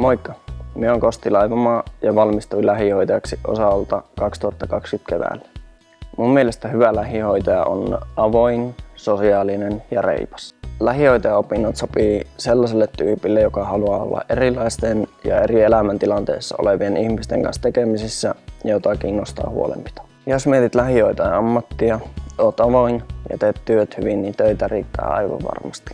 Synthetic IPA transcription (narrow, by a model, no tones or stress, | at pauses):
moikːɑmiəoːŋkost̪ilɑjʋomɑːjɑʋɑlmist̪uilæɦihoit̪ɑjɑksiʔo̰sɑolt̪ɑkɑkst̪uɑt̪ːɑkɑkskyt̪keʋæ̰ːlːæ̥ | mummielest̪æhyʋælæhihojt̪ɑjɑ̰ʔo̰nʔɑʋo̞insosiɑːlinenjɑrḛipɑ̥slæɦihoit̪ɑjɑopinːɑt̪sopiːselːɑselːet̪ty̰ːpilːejokɑhɑluɑːo̰lːɑ̰ʔʔerilˑɑist̪enjɑ̰erielæmænt̪ilɑnt̪ḛːsːɑo̰leʋienihmist̪ḛŋkɑ̰nst̪ekemisisːæjɑjot̪ɑkiːnːost̪ɑ̰ːhṵo̰lḛmpi̥t̪ɑ̥ | josmiet̪it̪læhioit̪ɑɑɑmːɑt̪ːiɑoːt̪ɑʋoinjɑ̰t̪eːt̪tyøt̪hyʋinnint̪øit̪ærḭːt̪ːæ̰ːɑ̰iʋɑ̰ʋʋɑ̰rmɑst̪i̥